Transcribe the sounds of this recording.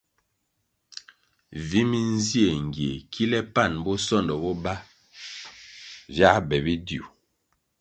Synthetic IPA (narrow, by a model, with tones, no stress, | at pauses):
vi˦mi˦n̩˦zi˦e˨ŋ˨ɡje˨kʰi˦lɛ˦pa˦˨nbɔ˦sɔ˦˨ndɔ˨bɔ˦ba˦ | vja˦bɛ˨bi˦dju˨